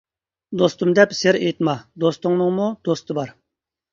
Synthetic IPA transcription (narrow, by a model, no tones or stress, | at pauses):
d̪ost̪umd̪ɛpseɾejt̪mɑd̪ost̪ʊŋnɨŋmud̪ost̪ʰɨbɑɾ